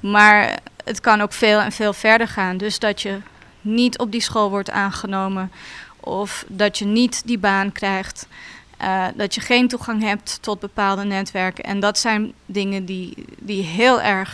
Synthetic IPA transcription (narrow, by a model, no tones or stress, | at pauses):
maːɹətkɑnowkfeːlˠɛ̰nveːlˠvɛɹdəɹχaːndɵsdɑtjə | nitʰɔp̚disχolˠʋɔɹta̰ːnχənowmənʔɔfdɑtjənitdibaːnkrɛjχt | dɑtjəχejntuχɑŋɦɛp̚tːɔd̚bəpaːlˠdənɛtʋɛɹkənʔɛ̰ndɑtsɛjndɪŋəndidiɦɪːlˠɛɹχ